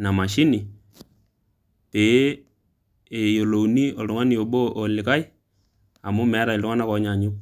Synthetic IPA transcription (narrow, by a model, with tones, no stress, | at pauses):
na˨ma˨ʃɪ˦ni˨ | te˨˦ | e˨jo˨lo˨ni˦ɔ˨ltʊŋa˦ni˨o˨ɓo˦ʔɔ˨lɪ˨ka˦j | a˨mʊ˦mɛ˨˦ɾa˨ɪ˨ltʊ˦ŋa˦na˦kɔ˨˦ɲa˨ɲʊ˦